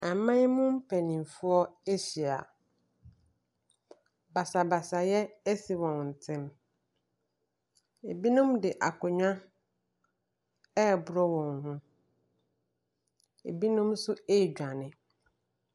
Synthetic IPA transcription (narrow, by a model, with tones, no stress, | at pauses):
a˨mã˦ɲ˦mʊ̃˦m̩˦pʰɛ˨nĩ˨m˨fʊ˦ɔ˦e˦ɕi˨a̰˨ | ba˨sa˨ba˨sa˨jɛ˦e˦si˨wɔ̃˨n˨n̩˨tʰɪ̃˦m | e˨bi˦nʊ̃˦mdɪ˨ʔa˨kʊ˨ɲᶣã˦ | ɛ˦˨bʊ˨ɾɔ˦wɔ̃˨ŋhʊ̃˦ | ḛ˨bi˦nʊ̃˦msʊ˦e˦˨d͡ʑᶣa˨nɪ̃˨